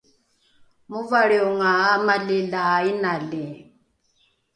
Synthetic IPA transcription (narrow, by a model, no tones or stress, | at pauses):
muvaɺiuŋaamalilaainalɛ